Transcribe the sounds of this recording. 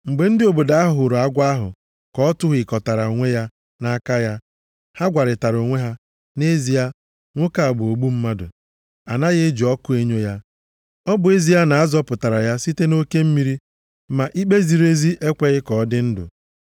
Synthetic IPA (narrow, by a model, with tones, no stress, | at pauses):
ŋ͡m̩˨ɡ͡be˨n̩˦dɪ˦o˨bo˨da˦a˦ɦʊ˨ʊ˨ɾʊ˨a˦ɡʷa˦ɦʊ̰˨ | kɔ˦ɔ˦tʊ˦ɦʊ˨ɪ˨kɔ˨ta˨ɾa˨o˨ŋʷe˦ja˦ | na˦ka˦ja˦ | ha˦ɡʷa˨ɾɪ˨ta˨ɾo˨ŋʷe˦ɦa˦ | ne˦zi˨ja˦ | ŋʷʊ˦ka˨a˨ɡ͡bʊ˨o˨ɡ͡bu˦m̩˦ma˦dʊ̰˨ | a̰˨na˦ɣɪ˦d͡ʒɔ˦kʊ˦e˦ɲo˦ja˦ | ɔ˦bʊ˨e˦zi˦a˦na˨a˦zɔ˦pʊ˨ta˨ɾa˨ja˦si˦te˦no˦ke˦m̩˦mi˦ɾi˦ | ma˨ʔi˦k͡pe˦zi˨ɾe˦zi˦ʔe˦kʷe˦ɣɪ˦kɔ˨˦dɪ˦n̩˦dʊ̰˨